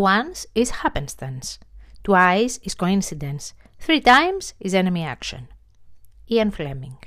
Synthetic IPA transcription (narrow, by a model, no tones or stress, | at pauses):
wãnsizhapẽnst̪ɐ̃nst̪uajziz̥koĩnsid̪ẽns | θɾit̪ajmz̥izenemia̰kʃõ̰n | iɐ̃nflemĩŋɡ